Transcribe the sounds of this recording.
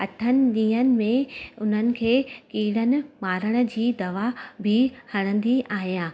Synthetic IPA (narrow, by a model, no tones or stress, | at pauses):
ɐʈʰənɪ̆ɗĩːɦənɪ̆mẽʊn̤ənɪ̆kʰeːkiːɽənɪ̆maːɾəɽ̃ə̆d͡ʑiːd̪ɐʋabʱɪhɐɽ̃ə̃nd̪iʔaːɦijãː